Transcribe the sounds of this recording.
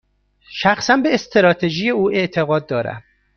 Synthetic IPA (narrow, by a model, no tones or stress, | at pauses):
ʃæxsænbe̞ːst̪ʰeɾɒːt̪ʰeʒije̞uːʔe̞ʔt̪ʰe̞ɣɒːd̪̚ːɒːɾæ̰m